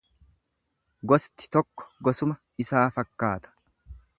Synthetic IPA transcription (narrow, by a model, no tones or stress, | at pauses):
ɡɔst̪ɪ̥t̪ɔkːɔ̥ɡɔsʊmɐ | ɪsaːfɐkːaːt̪ɐ̥